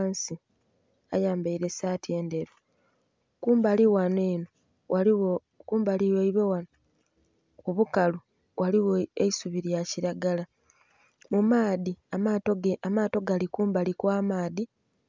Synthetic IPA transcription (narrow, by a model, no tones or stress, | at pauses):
nsi | a̰jaːmbaiɾe̞saːtje̞ːnde̞ɾo | kuːmbaliwaneːno | ao | kuːmbaliweiβewano | kuβukalu | wʔaliwoeisuβiɾjaciɾaɡala | mumaːðiamatoamaːto̞ɡalikuːmbalikwaːmaːði